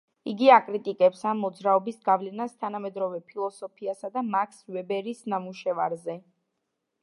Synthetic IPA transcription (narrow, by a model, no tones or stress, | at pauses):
iɡiakʼɾit̪ʼikʼɛpsamːɔd̪zɾaɔbisɡavlɛnast̪ʰanamɛd̪ɾɔvɛpʰilˠɔsɔpʰiasad̪amakʰsvɛbɛɾisnamuʃɛvaɾzɛ